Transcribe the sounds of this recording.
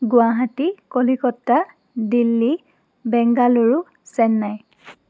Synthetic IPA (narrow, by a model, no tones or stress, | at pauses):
ɡʊaɦatikolikɔtːa | dilːi | bɛŋɡaluɹu | sɛnːaj